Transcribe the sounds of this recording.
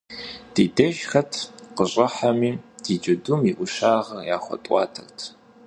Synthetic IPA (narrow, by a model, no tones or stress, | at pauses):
d̥iːdɐʒxɐtʰqəɕʼɐħamiːd̥id͡ʒɐdumiʔʷʊʃaːʁɐrjaːχʷɔ̰tʼʷɑːtʰɐ̰rtʰ